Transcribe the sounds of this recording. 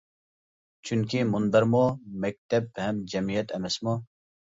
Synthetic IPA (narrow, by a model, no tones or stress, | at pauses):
t͡ɕunkiːmund̪ɐɾmoːmɐk̚t̪ɐb̚pɐɦmd͡ʑɐmijɐt̪ɐmɐsmoː